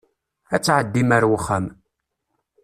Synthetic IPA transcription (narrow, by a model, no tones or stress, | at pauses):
æt͡sːʕəd̪ːimæɾwəχːəm